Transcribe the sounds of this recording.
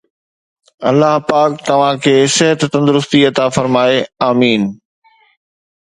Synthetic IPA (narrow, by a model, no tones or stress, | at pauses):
ɐ̰lːaɦpaːk̚t̪ɐʋ̤ãkʰeːsɪɦət̪t̪ɐ̃nd̪ʊɾʊst̪iɐt̪afɐɾmaːeaːmiːn